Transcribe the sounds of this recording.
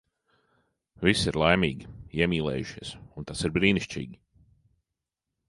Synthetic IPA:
visiɾlˠajmiːɡʲiiɛmiːlˠɛ̰ːjuʃiɛsunt̪asiɾbɾiːniʃt͡ʃḭːɡʲi

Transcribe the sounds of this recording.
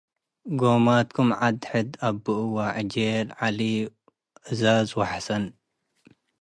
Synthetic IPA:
ɡomat̪kʰumʕad̪ħɨd̪abːɨʔwaʕd͡ʒelʕali | ʔɨzazwɐħsɐn

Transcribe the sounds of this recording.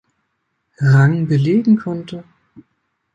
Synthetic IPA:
ʁaŋbəleːɡŋ̩kʰɔntə

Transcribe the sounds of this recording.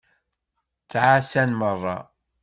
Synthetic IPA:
t͡sːʕasænmərˤːɑ̰

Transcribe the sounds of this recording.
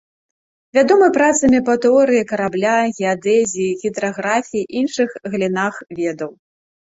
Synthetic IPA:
vʲad̪ɔmɨpɾat̪sɐmʲipɐt̪ɛɔɾɨjikɐɾablʲaɣʲɛad̪ɛzʲijːɣʲid̪ɾaɣɾafʲijiʔinʂɨxɣlʲinaxvʲɛd̪ɐw

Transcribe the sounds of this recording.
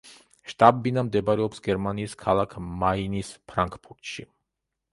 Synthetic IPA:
ʃt̪ʼabbinamd̪ɛbaɾɛɔpsɡɛɾmaniːskʰalˠakʰmainispʰɾaŋkʰʼpʰuɾt̪ʃi

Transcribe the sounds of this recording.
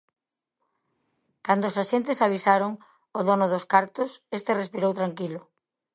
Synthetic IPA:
kand̪oːsaʃent̪ɪsaβ̞isaɾoŋ | oðonʊðʊskaɾt̪osest̪erespiɾowt̪ɾaŋkilʊ

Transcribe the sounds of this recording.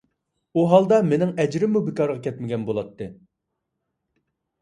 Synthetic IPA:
uɦɑlˠd̪ɑmenɪŋɛd͡ʒɾɪmːubɪkɑɾʁɑkʲʰɛt̪̚mɪɡʲɛnbolˠɑt̪ʰːɨ

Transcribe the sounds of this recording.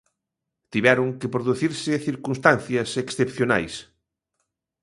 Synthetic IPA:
t̪iβɛɾʊŋkepɾoðuθiɾsɪθiɾkunst̪an̟θjɐseksθepθjona̰js

